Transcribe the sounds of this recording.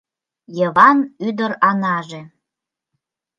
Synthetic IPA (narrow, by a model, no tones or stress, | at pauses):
jəβɑnyd̪əɾɑnɑʒĕ